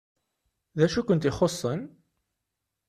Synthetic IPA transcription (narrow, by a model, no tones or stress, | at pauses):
ðæʃukʷənt̪ɪχosˤːən